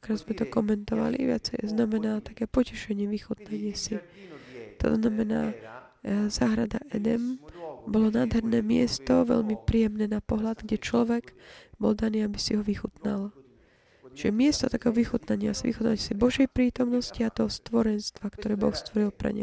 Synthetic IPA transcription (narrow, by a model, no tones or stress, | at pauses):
kɾazmɛt̪ɔkɔmɛnt̪ɔʋa̰lḭʋɪa̰t͡sɛjznamɛnaːt̪akɛːpɔcɛʃɛɲɪɛʋixut̪̚naɲɪɛsi | t̪ɔ̰znamɛna̰ː | zaːɦɾad̪a̰ʔɛd̪ɛmbɔlɔnaːd̪ɦɛɾnɛːmɪɛst̪ɔʋɛ̰ʎmipɾijɛmnɛːnapɔɦlad̪ɡɟɛt͡ʃlɔʋɛɡbɔld̪aniːabisiɦɔʋixut̪nal | ʒ̥ɛmɪɛst̪ɔt̪akɛːɦɔʋixut̪naɲɪasiʋḭxut̪nacsibɔʒɛjpɾiːt̪ɔmnɔsciat̪ɔɦst̪ʋɔɾɛnst̪ʋakt̪ɔɾɛːbɔ̰xst̪ʋɔɾilpɾɛ̰ɲɛ̰